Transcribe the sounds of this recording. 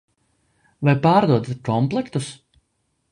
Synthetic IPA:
vajpaːɾd̪uɔd̪kɔmplˠɛkt̪us

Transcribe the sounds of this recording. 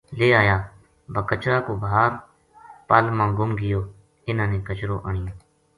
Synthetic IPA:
leːaːjaː | bʱəkət͡ʃɾaːkoːbaːɾ | paːlmãːɡʊmɡɪjoː | ɪnãːnẽːkət͡ʃɾoːʔaːɳɪjõː

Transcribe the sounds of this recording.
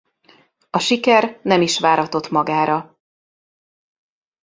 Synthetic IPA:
ɒʃikɛrnɛmiʃʋaːɾɒt̪o̞t̪mɒɡaːɾɒ

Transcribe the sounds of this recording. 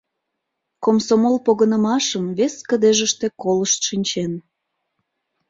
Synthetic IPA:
komsomolpoɣənəmɑʃəmβeskəd̪eʒəʃt̪e̽koləʃt̪ʃinʲt͡ɕen

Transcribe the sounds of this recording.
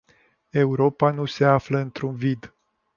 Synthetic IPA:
e̞uɾo̞panuse̞afləɨnt̪ɾunvid̪

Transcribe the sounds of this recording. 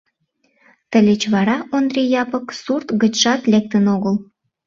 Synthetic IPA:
t̪əlʲet͡ɕβɑɾɑond̪rʲejɑpə̆ksurt̪ɡə̆t͡ɕʃɑt̪lʲek̚t̪ənoɣəl

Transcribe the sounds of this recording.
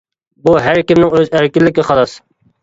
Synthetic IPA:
buɦæɾkʲɪmnɪŋøzæɾkʲɪlːɪkʲːɪqɑlˠɑs

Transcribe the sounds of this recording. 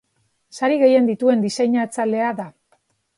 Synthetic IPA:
saɾiɣe̞je̞nd̪it̪ue̞nd̪isejɲat͡sale̞aða

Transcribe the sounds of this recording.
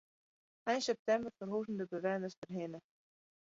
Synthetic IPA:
ɛjnsɛp̚t̪ɛmbərfɔrɦowsənd̪əbəvɛːnəstərɦɪːnə

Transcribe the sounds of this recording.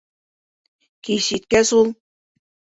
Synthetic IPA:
kʲijɕit̪̚kʲæsulˠ

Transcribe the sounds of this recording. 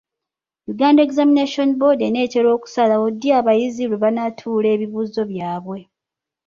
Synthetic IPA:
juɡaːndae̞kzamineʃo̞nbo̞dene̞ːte̞ɾo̞ːku̥salaodjaːβajizileβanatʰuːle̞ːβiβuːzo̞βjaːβwe̞

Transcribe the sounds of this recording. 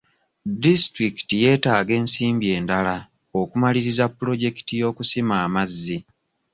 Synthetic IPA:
distɾiki̥tije̞ːtaːɡe̞ːnsiːmbje̞ːndala | o̞kumaliɾizapːulo̞ɟe̞ki̥tijo̞ːkusimaːmazːi

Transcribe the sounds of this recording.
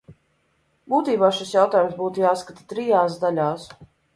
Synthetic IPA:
buːt̪iːbaːʃisjawt̪aːjumsbuːt̪ujaːskat̪ḁt̪ɾijaːs̬d̪alʲaːs

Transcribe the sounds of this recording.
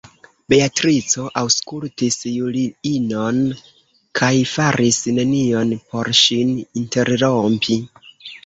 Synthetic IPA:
beatɾit͡so̞ʔawskultisjuliino̞n | kʰajfaɾʔisne̞nio̞npʰo̞ɾʃininte̞ɾɾompʰi

